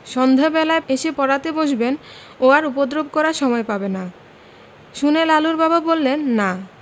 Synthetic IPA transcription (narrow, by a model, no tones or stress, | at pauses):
ʃɔnd̪ʱabɛlaeeʃepɔɾat̪eboʃben | oaɾupod̪ɾob̚ʱkɔɾaʃɔmɔepabena | ʃunelaluɾbababolːenːa